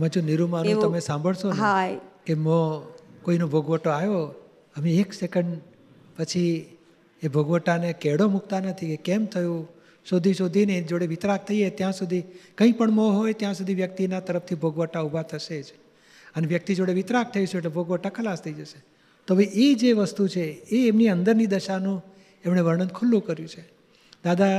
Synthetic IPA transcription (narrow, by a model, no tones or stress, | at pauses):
mãd͡ʒuniɾumanũt̪əmesãmbʱəɭsoakemõkoinobʱəɡʋəʈoajo | əmeeksekəɳɖ | pət͡ʃʰi | ebʱəɡʋəʈanekɛɽomuk̚t̪anət̪ʰiekɛmt̪ʰəjũ | ʃod̪ʱiʃod̪ʱined͡ʒoɽeʋɪt̪ɾak̚t̪ʰəiet̪jãsud̪ʱikə̃ĩpəɳmoɦojt̪jãsud̪ʱiʋjək̚t̪inat̪əɾəft̪ʰibʱəɡʋəʈaubʱat̪ʰəʃed͡ʒ | əneʋjək̚t̪id͡ʒoɽeʋɪt̪ɾak̚t̪ʰəiʃueʈlebʱəɡʋəʈakʰəlast̪ʰəid͡ʒəʃe | t̪obiʔed͡ʒeʋəst̪ut͡ʃʰeːmniənd̪əɾnid̪əʃanũ | emɳeʋəɾɳənd̪kʰʊlːũkəɾjũt͡ʃʰe | d̪ad̪a